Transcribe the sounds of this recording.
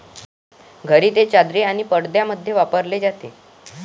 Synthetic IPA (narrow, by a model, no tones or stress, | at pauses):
ɡʱəɾiːt̪et͡ɕad̪ɾeaɽ̃ipəɽd̪jaməd̪ʱːjeʋapəɾled͡zat̪e